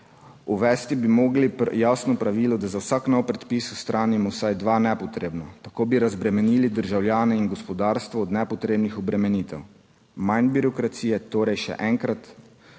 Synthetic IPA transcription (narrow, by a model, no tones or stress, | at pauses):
uʋɛːst̪ibimoːɡlijasnɔpɾaʋiːlɔd̪azawsaːknɔwpɾɛt̪piːsust̪ɾʔaːnimɔwsajd̪ʋaːnɛpɔt̪ɾeːbnat̪akoːbiɾazbɾɛmɛniːlid̪əɾʒawlʲjaːnɛinɡɔspɔd̪aːɾst̪ʋɔːd̪nɛpɔt̪ɾeːbnixɔbɾɛmɛnit̪ɛw | manbiɾɔkɾat̪siːjɛt̪oːɾɛjʃɛ̰ʔɛŋkɾat̪